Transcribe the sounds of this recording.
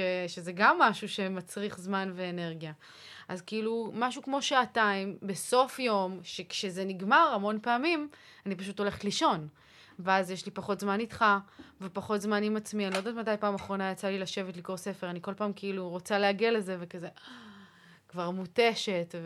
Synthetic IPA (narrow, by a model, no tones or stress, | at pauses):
ʃeʃezeɡamːaʃuʃe̞mat͡sʁiχzmanveːne̞ʁɡija | ʔazkiilumaʃukmo̞ʃaataimbe̞so̞fjo̞mʃe̞kʃezeniɡmaʁamo̞npeamim | anipaʃ̬utole̞χetliʃo̞n | veazjeʃlipaχo̞tzmanitχavepaχo̞tzmanimat͡smianilo̞dat̪matajpaːmaχʁo̞najat͡salilaʃe̞vetliko̞ʁse̞fe̞ʁaniko̞lpaːmkeiluʁo̞t͡saleaɡialeze̞vekaze | kvaʁmute̞ʃe̞tv